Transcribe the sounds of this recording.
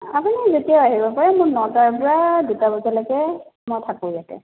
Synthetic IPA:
apunizotijaʊaɦibɔpaɹɛmʊɹnɔtaɹpɔɹadutabɔzalakɛmɔjtʰakuzatɛ̰

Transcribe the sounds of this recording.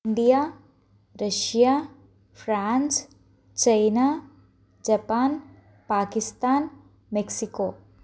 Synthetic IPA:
ɳɖijaː | ɾɐʃija | fʰɾaːns | t͡ʃɐjna | d͡ʒɐpaːn | paːkɪst̪aːn | meksikoː

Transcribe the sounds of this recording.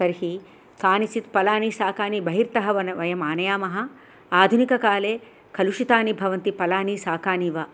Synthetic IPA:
sɐɾɦi | kaːnit͡ʃit̪pɐlaːnisaːkaːnibɐɦiɾt̪ɐɦɐʋɐnɐʋɐjɐmaːnɐjaːmɐɦɐ̆ | aːd̪ʱunikɐkaːleː | kɐluʃit̪aːnibʱɐʋɐnt̪ipɐlaːnisaːkaːniːʋɐ

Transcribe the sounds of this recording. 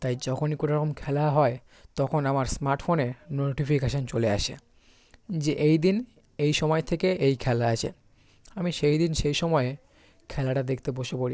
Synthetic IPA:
t̪ajd͡ʑɔkʰonikonoɾɔkomkʰɛlaɦɔe | t̪ɔkʰonamaɾsmaɾʈfonenoʈipikeʃont͡ɕolea̰ʃʰḛ | d͡ʑeʔejd̪in | ejʃɔmɔet̪ʰekeʔejkʰɛlaat͡ɕʰḛ | amiʃejd̪inʃejʃɔmɔe | kʰɛlaʈad̪ekʰt̪eboʃepoɾi

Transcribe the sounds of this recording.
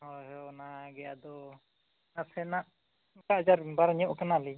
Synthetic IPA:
hɔɦɔnaɡɛja̰d̪ɔ | nasɛnaʔ | kaʔd͡ʒaɾbaɾɲɔʔkanali

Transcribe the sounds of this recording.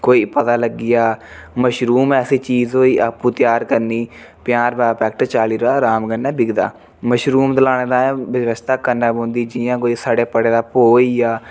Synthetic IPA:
koːiːpət̪aːləɡːɪjaːməʃɾuːmɛːsiːt͡ʃiːzɦoːiːəpuːt̪jaːɾkəɾniː | pɪjaːɾbɛːpɛːk̚ʈt͡ʃaːliːɾaːɾaːmɡənːɛ̃ːbɪɡd̪a̰ː | məʃɾuːmd̪əlaːɽ̃eːd̪aːʋɪʋəst̪ʰaːkənːaːbõːnd̪iːd͡ʒijãːkoːiːsaːɖeːpəɽeːd̪aːpoːijaː

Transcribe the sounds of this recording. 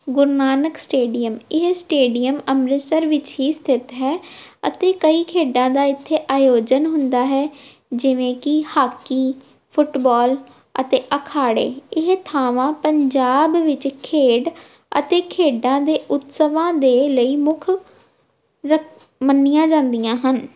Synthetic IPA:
ɡʊɾnaːnəksʈeːɖijəmɪɦsʈeːɖijəməmɾɪsəɾʋɪt͡ʃɦiːst̪ʰɪt̪ɦɛːə̰t̪eːkəiːkʰeːɖãːd̪aːɪt̪ʰːeːʔaːjoːd͡ʒənɦʊ̃nd̪aːɦɛː | d͡ʒɪʋẽːkɪhaːkiː | pʰʊʈbɔːl | ə̰t̪eːʔəkʰaːɽḛːɪɦt̪ʰaːʋãːpəɲd͡ʒaːbʋɪt͡ʃkʰeːɖ | ə̰t̪eːkʰeːɖãːd̪eːʔʊt̪səʋãːd̪eːləiːmʊkʰ | ɾə | mənːɪjãːd͡ʒãːnd̪ijãːɦən

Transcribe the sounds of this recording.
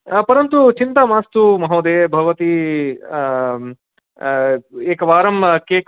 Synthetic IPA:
pɐɾɐnt̪ut͡ʃint̪aːmaːst̪umɐɦoːd̪eːbʱɐʋɐt̪i | eːkɐʋaːɾɐmkeːk

